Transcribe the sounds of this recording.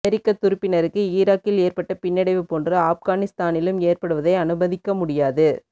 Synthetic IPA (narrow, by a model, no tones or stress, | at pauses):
ɛɾɪkːɐt̪ːʊɾɯpːɪnɐɾɯkːɯiːɾaːkːɪleːrpɐʈːɐpɪnːɪɽɐɪʋɯpoːndrɐaːfɣaːnɪst̪aːnɪlɯmeːrpɐɽɯʋɐðɐɪɐnɯbɐðɪkːɐmʊɽɪjaːðɯ